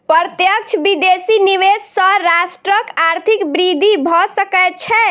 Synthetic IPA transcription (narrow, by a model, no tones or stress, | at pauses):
pəɾt̪jək̚t͡ʃʰbid̪esiniʋessəɾasʈɾəkaɾt̪ʰikbɾid̪ʱibʱɔsəkɛt̪̚t͡ʃʰɛ